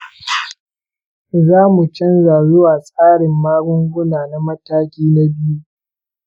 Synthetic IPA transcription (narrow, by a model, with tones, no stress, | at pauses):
zaː˦mu˨t͡ʃɐ˦nza˨jʊ˦wa˨sʼaː˦ɽɪ˨mːaː˦ɡʊ˦ŋɡʷʊ˦naː˨na˦mɐ˦taː˦kʲiː˦na˦bɪ˦ju˦